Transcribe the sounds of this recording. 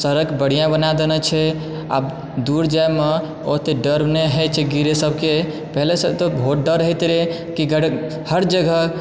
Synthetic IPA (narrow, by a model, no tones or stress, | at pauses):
səɾəkbəɽ̤ijãbənad̪enɛt͡ʃʰɛ | a̰b | d̪uɾd͡ʒajme | ot̪eɖəɾneɦɛt͡ʃʰɛɡiɾesəbʱke | pəɦlesət̪obʱoʈ̚ɖəɾəɦɛt̪ɾe | kiɡəɽ | həɾd͡ʒəɡʱə